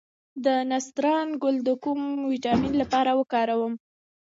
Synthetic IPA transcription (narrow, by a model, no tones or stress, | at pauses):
d̪ənast̪ɾɑnɡʊld̪əkumwiʈɑminlapɑɾawəkɑɾawəm